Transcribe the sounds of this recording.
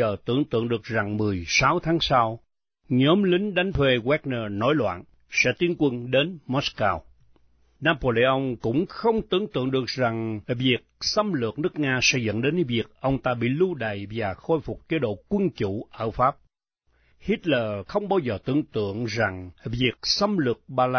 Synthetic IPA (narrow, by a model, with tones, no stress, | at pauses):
əː˨˩t̪ɨ̰˧˩əŋt̪ɨ̰˧˨əŋɗɨ˨˩ək̚za˨˩ŋmɨ˨˩əjsaː˨˦wt̪ʰaː˨˦ŋsa˧w | ɲɔ˨˦mlï˨˦ŋ̟ɗa˨˦jŋ̟t̪ʰwe˧ɣwɛ˦˥k̚nəː˧nɔ˨˦jlwa̰ː˧˨n | sɛ̰˧˥t̪i˨˦ənkwə˧nɗe˨˦nmɔ˦˥skaː˧w | naː˧po˧li˧ʔə˧wŋ͡mkʊ̰˧˥ŋ͡mxə˧wŋ͡mt̪ɨ˨˧˩əŋt̪ɨ̰˧˨əŋɗɨ˨˩ək̚za˨˩ŋvi˨˩ək̚sə˧mlɨ˨˩ək̚nɨ˦˥ək̚ŋaː˧sɛ̰˧˥zɨ̰˧˨ŋɗe˨˦nvi˨˩ək̚ʔə˧wŋ͡mt̪aː˧ɓḭ˧˨lu˧ɗə̰˧˨jvaː˨˩xo˧jfʊ˨˩k͡p̚ke˨˦ɗo̰˧˨kwə˧nt͡ɕṵ˧˩˨ʔəː˧˩faː˦˥p̚ | hi˦˥t̚ləː˨˩xə˧wŋ͡mɓaː˧wzəː˨˩t̪ɨ̰˧˩əŋt̪ɨ̰˧˨əŋza˨˩ŋvi˨˩ək̚sə˧mlɨ˨˩ək̚ɓaː˧la˧